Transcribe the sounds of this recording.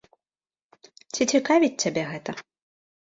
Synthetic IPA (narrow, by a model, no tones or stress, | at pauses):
t͡sʲit͡sʲikavʲit͡sʲt͡sʲabʲɛɣɛt̪ɐ